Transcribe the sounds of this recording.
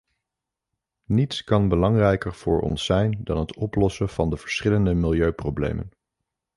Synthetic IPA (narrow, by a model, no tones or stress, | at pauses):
nitskɑnbəlɑŋrɛjkəɹv̥ʊ̰ːɹʔɔ̰nsɛjndɑnɦətɔplɔsəv̥ɑndəv̥əɹsχɪləndəmɪlˠjøɥprowblḛjmə̰n